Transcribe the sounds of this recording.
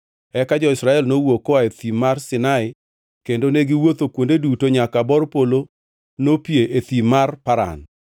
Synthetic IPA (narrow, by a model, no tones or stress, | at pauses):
ɛkad͡ʒɔɪsɾaɛlnowokoaet̪imarsɪnaɪ | kendoneɡɪwot̪okwondedutoɲakabɔrpolo | nopjeʔet̪imarpaɾa̰n